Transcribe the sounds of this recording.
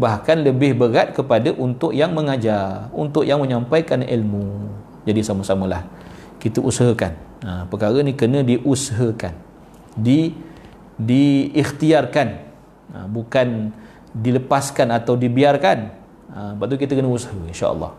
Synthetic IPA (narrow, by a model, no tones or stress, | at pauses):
bahkanləbɪhbəɾat̪̚kəpadaʔunt̪ʊʔjaŋməŋad͡ʒarṵnt̪ʊʔjaŋmə̃ɲampajkanḭlmu | d͡ʒadisaməsaməlah | kit̪əʔusɦəkanəpəkaɾənĩkənə̃diʔusəɦəka̰n | di | diixt̪iarkan | ə̰bukan | diləpaskanat̪awdibiarkan | əbaʔt̪uk̬it̪əkənəushəinʃa̰ʔə̰lːɑ̰h